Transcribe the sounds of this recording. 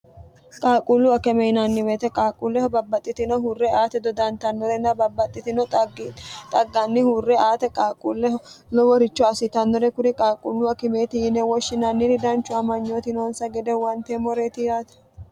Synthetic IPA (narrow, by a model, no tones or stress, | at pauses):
kʼaːkʼulːʊɐkɛmɛjnɐnːɪwet̪ɛkʼaːkʼulːɛhɔbɐbːɐt̪ʼːɪt̪ɪnɔhurːɛaːt̪ɛd̪ɔd̪ɐnt̪ɐnːɔɾɛnɐbɐbɐt̪ʼːɪt̪ɪnɔ | t̪ʼɐɡːanːɪhurːɛaːt̪ɛkʼaːkʼulːɛlɔwɔɾɪt͡ʃːɔɐsɪt̪ɐnːɔɾɛkʊɾɪkʼaːkʼulːʊɐkɪmeːt̪ɪjɪnɛwɔʃːɪnɐnːɪɾɪd̪ɐnt͡ʃːʊɐmɐɲːoːt̪ɪnoːnsɐɡɛd̪ɛwɐnt̪emɔɾeːt̪ɪjaːt̪ɛ̥